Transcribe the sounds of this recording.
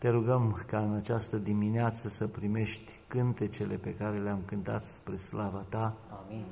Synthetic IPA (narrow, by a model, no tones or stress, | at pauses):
t̪e̞ɾuɡəmkaɨnat͡ʃast̪əd̪imineat̪səsəpɾime̞ʃt̪ʲkɨnt̪e̞t͡ʃe̞le̞pe̞kaɾe̞leamkɨnt̪a̰t̪spɾe̞slavat̪a